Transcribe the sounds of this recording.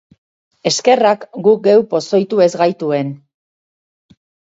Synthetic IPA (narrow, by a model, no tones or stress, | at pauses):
e̞ske̞rakɡuk̚ɡe̞wpo̞so̞jt̪ue̞zɡajt̪ue̞n